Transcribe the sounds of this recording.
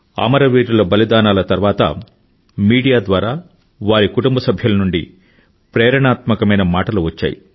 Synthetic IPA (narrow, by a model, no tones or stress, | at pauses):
a̰ːmɐɾɐʋiːɾulɐbɐlid̪aːnaːlɐt̪ɐɾʋaːt̪ɐ̰ | miːɽijaːd̪ʋaːɾaː | ʋaːɾikuʈumbɐsɐbʱjɐlɐnuɳɖḭ | pɾɛːɾɐɳaːt̪mɐkɐmɐjnɐmaːʈɐluʋɐt͡ʃːa̰ːjḭ